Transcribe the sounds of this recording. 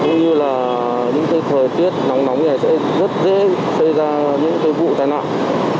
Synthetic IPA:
kʊ˨˧˦ŋ͡mɲɨ˧laː˨˩ | ɲɨ̰˧˥ŋk̪ə˨˧˦jt̪ʰəː˨˩jt̪i˦˥ət̚nɔ˨˦wŋ͡mnɔ˨˦wŋ͡mŋa˨˩jsɛ̰˧˥ | zə˦˥t̚zḛ˧˥ | sə˧jzaː˧ɲɨ̰˧˥ŋk̪əː˨˦jvṵ˧˨t̪a̰ː˧˨jna̰ː˧˨ʔ

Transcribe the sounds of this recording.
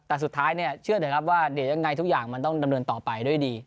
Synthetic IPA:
t̪ɛː˨˩su˨˩t̪ʰːaː˦˥jni˥˩ɐət͡ɕʰɯ˥˩ɐdiː˨˩˦kʰa˦˥p̬̚waː˥˩di˨˩˦ja˧ŋːa˧jt̪ʰu˦˥k̚jaː˨˩ŋma˧nt̪ɔ˥˩ŋda˧mnɤː˧nt̪ɔː˨˩pa˧jdu˥˩jdiː˧

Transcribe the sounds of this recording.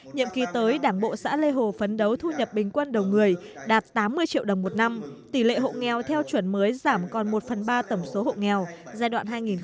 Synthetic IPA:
ɲḭ˧˨əmki˨˦t̪əː˨˦jɗaː˧˩ŋɓo̰˧˨sa̰ː˧˥le˧ɦo˨˩fə˨˦nɗə˨˦wt̪ʰu˧ɲə˨˩p̚ɓï˨˩ŋ̟kwə˧nɗə˨˩wŋɨ˨˩əjɗaː˨˩t̚t̪aː˨˦mːɨ˧əjt͡ɕḭ˧˨əwɗə˨˩wŋ͡mmo˨˩t̚na˧mt̪i˧˩lḛ˧˨ɦo̰˧˨ŋɛ˨˩wt̪ʰɛ˧wt͡ɕwə˧˩nməː˨˦jzaː˧˩mkɔ˨˩nmo˨˩t̚fə˨˩nɓaː˧t̪ə˧˩wŋ͡mso˨˦ho̰˧˨ŋɛ˨˩wzaː˧jɗwa̰ː˧˨nɦaː˧jŋi˨˩n

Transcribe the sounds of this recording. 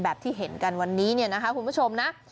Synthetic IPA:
bɛː˨˩p̚t̪ʰiː˥˩ɦe˨˩˦nka˧nwa˧nːiː˦˥ni˥˩na˦˥kʰa˦˥kʰu˧nbʰu˦˥t͡ɕʰo˧mna˦˥

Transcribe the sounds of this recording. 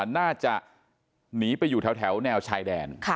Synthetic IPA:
naː˥˩t͡ɕa˨˩ʔ | niː˨˦pa˧jːuː˨˩ɛː˩˦wt̪ʰɛ˩˦wnɛː˧wt͡ɕʰaː˧jdɛː˧nkʰ

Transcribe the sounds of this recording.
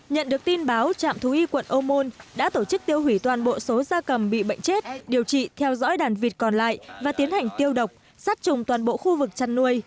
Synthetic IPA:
ɲə̰˧˨nɗɨ˨˩ək̚t̪i˧nɓaː˨˦wt͡ɕa̰ː˧˨mt̪ʰu˨˦ʔi˧kwə̰˧˨nʔo˧mo˧nɗa̰ː˧˥t̪o˧˩t͡ɕɨ˦˥k̚t̪i˧əwhi˧˩t̪waː˨˩nɓo̰˧˨so˨˦zaː˧kə˨˩mɓḭ˧˨ɓə̰˧˨jŋ̟t͡ɕe˦˥t̚ɗi˨˩əwt͡ɕḭ˧˨t̪ʰɛ˧wzɔ̰˧˥jɗaː˨˩nvi˨˩ət̚kɔ˨˩nla̰ː˧˨jvaː˨˩t̪i˨˦ənha˨˩jŋ̟t̪i˧əwɗə˨˩wk͡p̚ | saː˦˥t̚t͡ɕʊ˨˩ŋ͡mt̪waː˨˩nɓo̰˧˨xu˧vɨ˨˩k̚t͡ɕa˧˩nːu˧əj

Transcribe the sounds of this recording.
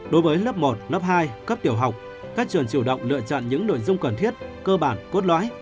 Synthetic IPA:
ɗo˨˦jvəː˨˦jləː˦˥p̚mo˨˩t̚lə˦˥p̚haː˧jkə˦˥p̚t̪i˧˩əwɦa˨˩wk͡p̚ | kaː˦˥k̚t͡ɕwə˨˩nt͡ɕu˧˩wɗə̰˧˨wŋ͡mlɨ̰˧˨ət͡ɕɔ̰˧˨nɲɨ̰˧˥ŋno̰˧˨jzʊ˧ŋ͡mkə˨˩nt̪ʰi˦˥ət̚kəː˧ɓaː˧˩nko˦˥t̚lwa̰ː˧˥j

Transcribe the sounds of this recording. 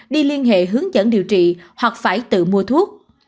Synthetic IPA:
ɗi˧li˧ənɦḛ˧˨ɦɨ˨˦əŋzə̰˧˥nɗḭ˨əwt͡ɕḭ˧˨hwa˨˩k̚faː˧˩jt̪ɨ̰˧˨mu˧ət̪ʰu˦˥ək̚

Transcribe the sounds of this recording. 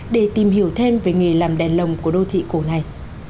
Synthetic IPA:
ɗe˧˩t̪i˨˩mhi˧˩əwt̪ʰe˧mveː˨˩ŋe˨˩laː˨˩mɗɛ˨˩nlə˨˩wŋ͡mku˧˩əɗo˧t̪ʰḭ˧˨ko˧˩˦na˨˩j

